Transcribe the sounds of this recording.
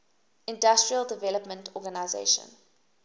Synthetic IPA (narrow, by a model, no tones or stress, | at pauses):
ɪ̃ndastɹiəlˠdəvɛləpmə̃ntʰɔɡanaɪzḛɪʃə̰̃n